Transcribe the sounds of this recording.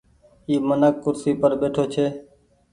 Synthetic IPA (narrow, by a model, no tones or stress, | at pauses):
iːmənəkːʊɾsiːpəɾɓeːʈʰoːt͡ʃʰeː